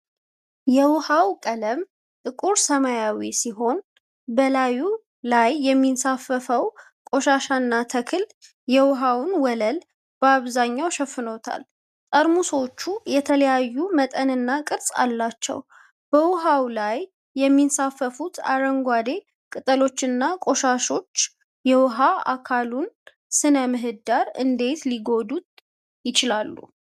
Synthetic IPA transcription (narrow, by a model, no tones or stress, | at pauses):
jɛwʊhawkʼələm | t̪ʼɨkʼuɾsəmajawisiɦo̞n | bəlaju | lajːɛmːinsafəfəw | kʼo̞ʃaʃanːat̪ʰəkʰɨl | jɛwʊɦawʊnwɔləl | b̥əaβzaɲːawʃɛfɨno̞t̪ʰa̰l | t̪ʼəɾmuswt͡ʃːujɛt̪ʰələjajːumət̪ʼənɨnːakʼɨɾsʼa̰lːat͡ʃːɛ̰w | b̥əwʊɦawlajː | ɛmːinsafːəfut̪ʰa̰ɾəŋɡʷad̪e̞ | kʼɨt̪ʼəlo̞t͡ʃːɨnːakʼo̞ʃaʃo̞t͡ʃː | jɛwʊɦaa̰kʰalun | sɨnəmɨɦɨd̪aɾɨ̰nd̪e̞t̪liɡo̞d̪ut̪ʼ | jɪt͡ʃɪlalːṵ